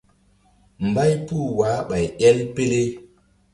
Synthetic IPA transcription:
m̩˨ba˦jpu˦˨waː˨˦ɓa˨jɛ˦lpe˦le˦

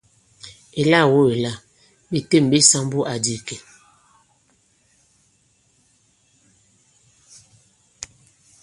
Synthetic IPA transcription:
e˨la˦˨wo˦e˨la˦˨ | bi˨te˦˨m˨bi˦sa˦m˦bu˦ʔa˨di˨ke˨

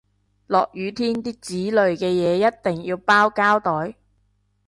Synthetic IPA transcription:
lɔː˨k̚jyː˨˧t̪ʰiː˥nt̪iː˥t͡siː˨˥lɵ˨ɥkɛː˧jɛː˨˧jɐ˥t̚t̪ɪ˨˩ŋjiː˧wpaː˥wkaː˥wt̪ɔː˨˥j

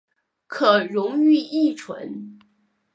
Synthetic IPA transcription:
kʰɤ˨˩ɻʊ˧˥ŋy˥˧i˥˩ʈ͡ʂʰwə̰˧˥n

